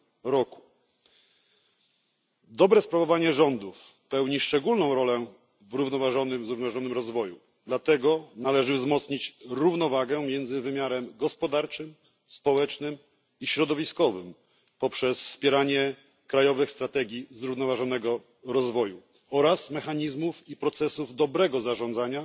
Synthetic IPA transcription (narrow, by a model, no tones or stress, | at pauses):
ɾɔku̥ | d̪ɔbɾɛspɾavɔvaɲɛʐɔnd̪uf | pɛwɲiʂt͡ʂɛɡulnɔ̃w̃ɾɔlɛ | vɾuvnɔvaʐɔnɘmzɾuvnɔvaʐɔnɘmɾɔzvɔju | d̪lat̪ɛɡɔnalɛʐɘvzmɔt̪sɲit͡ɕɾuvnɔvaɡɛmʲjɛnzɘvɘmʲjaɾɛmɡɔspɔd̪aɾt͡ʂɘm | spɔwɛt͡ʂnɘm | iɕɾɔd̪ɔvʲiskɔvɘm | pɔpʂɛsfspʲjɛɾaɲɛ | kɾajɔvɘxst̪ɾat̪ɛɡʲizɾuvnɔvaʐɔnɛɡɔ | ɾɔzvɔju | ɔɾasmɛxaɲizmufipɾɔt̪sɛsuvd̪ɔbɾɛɡɔzaʐɔ̃nd̪zaɲa